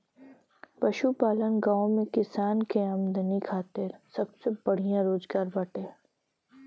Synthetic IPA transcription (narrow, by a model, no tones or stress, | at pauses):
pɐʃupaːlənɡãːõmẽkɪsaːnkeɐmd̪ənikʰaːt̪ɪɾsɐbsebɐɽ̤ijãɾoːzɡaːɾbɐʈẽː